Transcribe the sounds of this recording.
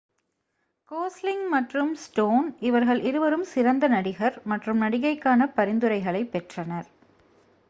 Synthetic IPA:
koːslɪŋmɐʈrɯmsʈoːnɪʋɐɾɣɐɭʔɪɾɯʋɐɾɯmsɪɾɐnd̪ɐnɐɽɪɣɐɾmɐʈrɯmnɐɽɪɣɐɪkːaːnɐpɐɾɪnd̪ɯɾɐɪɣɐɭɐɪpːɛʈrɐnɐɾ

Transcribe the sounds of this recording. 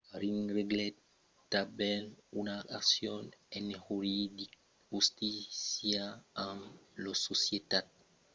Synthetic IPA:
ɾinreɡlet | t̪abenunaaksjonenehuɾid̪i | hust̪isjaãŋlososjet̪at̪̚

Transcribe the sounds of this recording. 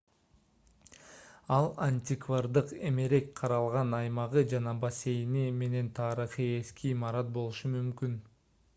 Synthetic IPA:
ɑlˠanʲtʲɪkvard̪ɯqe̞me̞ɾe̞kqʰɑɾɑlˠʁɑnɑjmɑʁɯd͡ʒɑnɑbase̞jnime̞ne̞nt̪ʰɑːɾiχie̞skʰiːmɑɾɑt̪̚bo̞lˠuʃumymkyn

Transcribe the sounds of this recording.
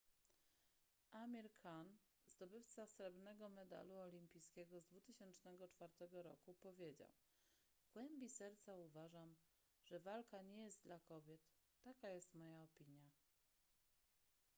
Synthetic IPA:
ʔamʲiɾkʰan | zd̪ɔbɘft̪sasɾɛbnɛɡɔmɛd̪a̰luɔlʲimpʲijskʲɛɡɔzd̪vut̪ɘɕɛnt͡ʂnɛɡɔt͡ʂfaɾt̪ɛɡɔɾɔ̰kupɔvʲjed͡ʑa̰w | vɡ̥wɛmbʲisɛɾt̪sauvaʐam | ʐ̥ɛvalkaɲɛjɛst̪̚d̪lakɔbʲjɛt̪ː | akajɛst̪mɔjaɔpʲiɲja

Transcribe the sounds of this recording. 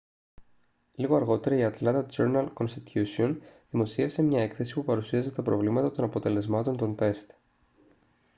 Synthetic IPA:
liɣo̞ɐɾɣo̞t̪e̞ɾɐiɐt̪lɐt̪ɐt͡seɾnɐlko̞nst̪it̪ʰçusionðimo̞sie̞fse̞mɲɐe̞kθe̞si̥pupɐɾusiɐzet̪ɐpɾovlimɐt̪ɐt̪o̞nɐpo̞t̪e̞le̞zmɐt̪o̞nt̪o̞nt̪e̞st̪

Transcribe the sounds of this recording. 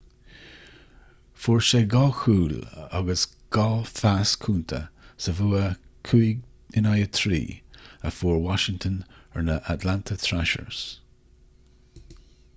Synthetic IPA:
fuːɹʃeːɡɔlxuːla̰ɡəs | ɡ̥ɔfaskʰuːnt̪ʰə̰səvuːəkʰuiɡ | ɪnajət̪ʰɹḭːəfuːɹwɑʃɪŋt̪ʰənəɹnəʔatlantʰət̪ʰɹaʃə̰ɹs

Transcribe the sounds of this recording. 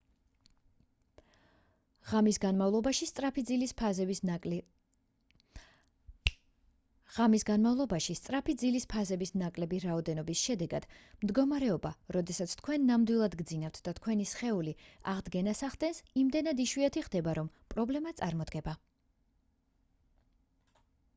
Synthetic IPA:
ʁamisɡanmavlˠɔbaʃist̪sʼɾapʰid̪zilp | ʁ̥amisɡanmavlˠɔbaʃist̪sʼɾapʰid̪zilispʰazɛbisnakʼlɛbiɾaɔd̪ɛnɔbisʃɛd̪ɛɡad̪̥md̪ɡɔmaɾɛɔbaɾɔd̪ɛsat̪sʰt̪ʰkʰwɛnːamd̪wilˠad̪ɡd̪zinaft̪ʰd̪at̪ʰkʰwɛnisχɛulia̰ʁd̪ɡɛnasaχd̪ɛnsimd̪ɛnad̪iʃwiat̪ʰiχd̪ɛbaɾɔm | pʼɾɔblɛmat̪sʼaɾmɔd̪ɡɛba

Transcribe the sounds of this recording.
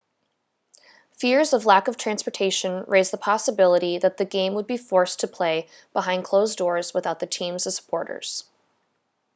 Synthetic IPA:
fɪɹzʌvlækʌv̥tʰɹ̥æ̃nspə˞tʰeɪʃɨ̃nɹʔeɪzðəpʰɑsəbɪlˠəɾiðɨt̪̚ðɨɡẽɪ̃mwəd̚bifɔɹstʰɨpʰl̥eɪ | b̥əɦãɪ̃nd̚kʰl̥oʊzdɔɹzwəθaʊt̪̚ðɨtʰĩmzʌv̥sə̥pʰɔɹɾə̰˞z̥

